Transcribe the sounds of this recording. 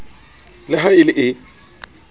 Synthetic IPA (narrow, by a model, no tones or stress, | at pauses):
lɪɦaɪlɪʔɪ